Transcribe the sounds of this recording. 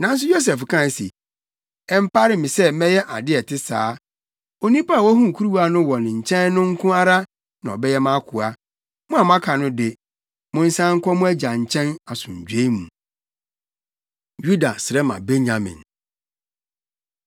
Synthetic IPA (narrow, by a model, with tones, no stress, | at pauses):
nã˦n̩˦s̬ʊ˦jo˦s̬ɛ˨fkʰã˦˨sḭ˨ | ɛ˨m˦pa˦ɾɪ˦mɪ̃˨sɛ˦mɛ̃˦jɛ˦ʔa˨dɪ˦ɛ˨tʰɪ˦saː˨˦ | o˨nĩ˦pa˦a˨wɔ˦hũ˦˨kʰu˦ɾu˦wa˦nʊ̃˦wɔ̃˨n˨ɲ̩˨t͡ɕʰɛ̃˦nː˦ʊ̃˦ŋ̩˦kʰʊ̃˦a˦ɾa˦ | nã˨ɔ̰˨bɛ˦jɛ˦mã˦kʰʊ˨a˦ | mʊ̃˦a˨mã˦kʰa˨nʊ̃˦dɪ˨ | mʊ̃˨n̩˦sã˦ŋ̩˦kʰʷɔ˦mũ˦æ˦d͡ʑa˨ɲ̩˨t͡ɕʰɛ̃˦na˨sʊ̰̃˨ɲ̩˨d͡ʑᶣe˦mṵ̃˨ | ju˦da˨sɪ˨ɾɛ˦mã̰˨be˦ɲã˨mɪ̰̃˨n